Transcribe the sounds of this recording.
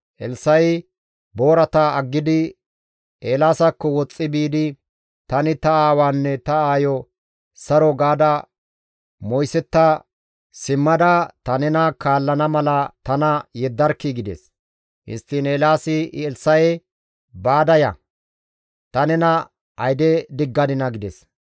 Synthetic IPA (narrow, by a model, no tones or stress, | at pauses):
ʔɛlsɐj | bo̞ːɾɐt̪aɐɡːɪd̪ɪ | eːlaːsɐkːɔwɔt͡sʼːɪbiːd̪ɪ | t̪ɐnɪt̪ɐaːwaːnːɛt̪ɐaːjɔ | sɐɾɔɡaːd̪ɐ | mɔjsɛt̪ːa | sɪmːɐd̪ɐt̪ɐnɛnɐkaːlːɐnɐmɐlɐt̪ɐnɐjɛd̪ːɐɾkːɪɡɪd̪ɛ̰s | hɪ̰st̪ːɪneːlaːsɪʔɛlsɐjɛ | baːd̪ɐjɐ̰ | t̪ɐnɛnɐ | ʔɐjd̪ɛd̪ɪɡːɐd̪ɪnɐɡɪd̪ɛs